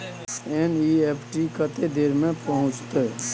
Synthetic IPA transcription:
eniepʰʈikət̪ed̪eːɾmẽpəɦʊ̃t͡ʃt̪eɦ

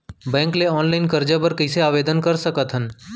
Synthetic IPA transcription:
bɛ̃ːŋkleɔːnlaːɪnkəɾd͡ʒəbəɾkəɪseaːʋeːd̪ənkəɾsəkət̪ɦən

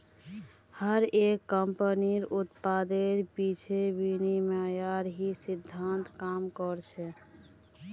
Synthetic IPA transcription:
həɾekːəmpəniɾut̪pad̪eɾpit͡ʃʰebinimjajaɾɦisid̪ʱːant̪kamkɔɾt͡ʃʰɛ

